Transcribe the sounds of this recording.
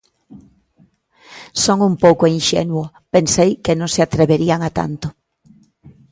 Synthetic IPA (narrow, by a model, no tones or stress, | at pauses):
soŋumpowkoinʃḛnwʊ | pensejkenõŋsɪat̪ɾeβeɾiaŋat̪a̰nt̪ʊ